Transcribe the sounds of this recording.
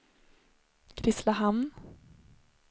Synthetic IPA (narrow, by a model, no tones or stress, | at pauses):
ɡ̥ɾɪslaɦamn